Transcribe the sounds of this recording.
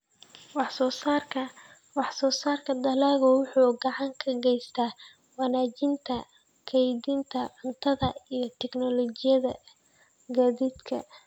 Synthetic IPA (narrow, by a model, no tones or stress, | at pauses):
wɑħsɔːsr | wɑħsɔːsaːrkʰɐd̪ɐlaːɣɔwʊħuːɡɑʕɑŋkʰɐɡɛjst̪ʰaː | wɑnaːt͡ʃɪnt̪ʰɐ | kʰɛjdint̪ʰɐʕʊnt̪ʰɐðɐijɞt̪ʰɛɡnɔlɔt͡ʃɪjɐðɐ | ɡaːðiːd̪kʰɐ̰